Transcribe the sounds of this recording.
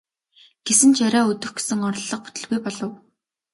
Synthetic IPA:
ɡ̥esɘ̆nt͡ɕʰaɾʲaːɵt̪ɵ̆xɡe̥sɘ̆ŋɔɾ̆ɮːɞ̆q̚pu̥t̪ɵ̆ɮɣujpɔɮɞ̆w

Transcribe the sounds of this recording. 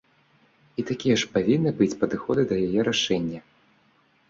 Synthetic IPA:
it̪akʲijɛʂpavʲinːɨbɨt͡sʲpɐd̪ɨxɔd̪ɨd̪ɐjajɛɾaʂɛnʲːɐ

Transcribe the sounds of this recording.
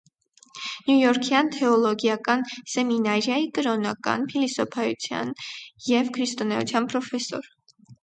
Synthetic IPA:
njujɔɾkʰjɑnt̪ʰɛɔlɔɡjɑkɑnsɛminɑɾjɑikəɾɔnɑkɑ̰npʰilisɔpʰɑjṵt͡sʰjɑ̰njɛvkʰɾist̪ɔnɛṵt͡sʰjɑnpɾɔfɛsɔ̰ɾ

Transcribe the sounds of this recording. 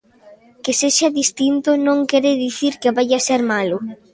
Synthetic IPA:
keseʃaðist̪int̪ʊnõŋkɛɾeɪðiθiɾkeβajaseɾmalʊ

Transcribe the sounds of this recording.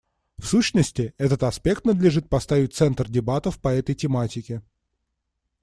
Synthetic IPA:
fsuɕnəsʲtʲɪɛt̪ət̪ɐspʲe̞kt̪nəd̪lʲɪʐɨt̪̚pɐst̪avʲɪt̚ʲt̪sɛnt̪rdʲɪbat̪əfpɐɛt̪əjtʲɪmatʲɪkʲɪ

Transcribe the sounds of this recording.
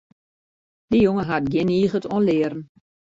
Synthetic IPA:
d̥əjʊŋəɦat̚ɡjɪniːɣətɔnlɪːəɾn̩

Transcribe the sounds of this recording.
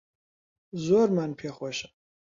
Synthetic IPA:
zormanpʰeχʷɔʃɐ̥

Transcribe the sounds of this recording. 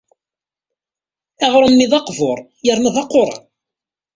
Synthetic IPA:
æʁɾˤənːɪðˤɑqvʊɾˤ | jəɾnəðˤɑqːʊɾˤɑ̰

